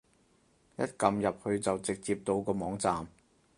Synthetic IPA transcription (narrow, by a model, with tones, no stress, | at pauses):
jɐ˥t̚kɐ˧mjɐ˨p̚hɵ˨˧ɥt͡sɐ˨wt͡sɪ˨k̚t͡siː˧p̚t̪o˧wkɔː˧mɔː˨˥ŋt͡saː˨m